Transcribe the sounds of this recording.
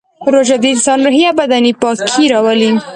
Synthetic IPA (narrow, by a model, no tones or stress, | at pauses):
ɾoʒad̪insɑnɾʊɦjabad̪anipɑkʰiɾɑwəli